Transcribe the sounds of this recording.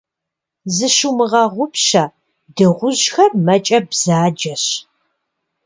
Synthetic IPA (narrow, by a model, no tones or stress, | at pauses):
zɨʃumɨʁɐʁʷʊpɕɐ | dɨʁʷʊʒxɐrmɐt͡ʃʼɐbz̥aːd͡ʒɐɕ